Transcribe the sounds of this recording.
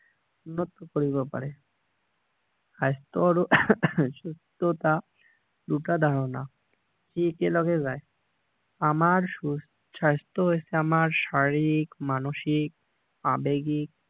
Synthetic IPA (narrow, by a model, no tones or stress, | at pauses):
unːot̪ːokoɾiβepa̰ɾe | ʃajst̪oɾoʃust̪ot̪a | ɖ̪uʈad̪ʱaɾona | d͡ʒikelɔɡezae | amaɾu | ʃajst̪oɦojesʰeamaɾʃaɾikmanoʃik̚ | a̰beɡik̚